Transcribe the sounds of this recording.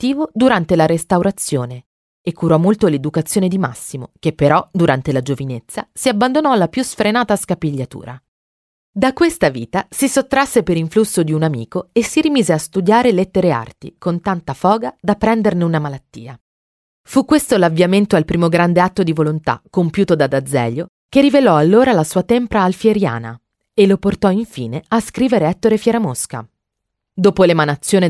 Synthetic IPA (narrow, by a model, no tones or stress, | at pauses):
t̪ːiːvod̪uɾant̪elaɾest̪awɾat̪sːjoːne | ekːuɾɔmolt̪oled̪ukat̪sːjoːned̪ima̰sːimo̰kepːeɾɔd̪uɾant̪elad͡ʒovinet̪sːasiabːand̪onɔlapjusfɾenaːt̪askapiʎːat̪ṵːɾa | d̪akːwest̪avḭːt̪asisot̪ːɾasːepeɾiɱflusːod̪iunamḭːkoesiɾimiːzeast̪ud̪jaːɾelet̪ːeɾea̰rt̪ḭkont̪ant̪afɔːɡad̪apːɾɛnd̪erneunamalat̪ːḭːa | fukːwest̪olavːjament̪oalpɾiːmoɡɾand̪eat̪ːod̪ivolont̪a̰kːompjuːt̪od̪ad̪ad̪zːɛ̰ʎo | k̟erːivelɔalːoːɾalasuːat̪ɛmpɾaːlfjeɾja̰ːna̰ | eloport̪ɔiɱfḭːneaskɾiːveɾeɛt̪ːoɾefjɛɾamoska̰ | d̪oːpolemanat̪sːjoːne